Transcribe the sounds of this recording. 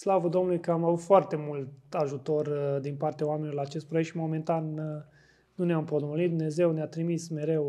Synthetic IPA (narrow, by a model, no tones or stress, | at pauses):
slavəd̪o̞mnulujkəamavut̪foart̪e̞mult̪aʒut̪o̞rd̪inpart̪eaowamenioɾlaːt͡ʃe̞st̪pɾoek̪ʃimo̞ment̪anː | uneampot̪molit̪̚d̪umne̞ze̞wneat̪ɾimisme̞ɾe̞w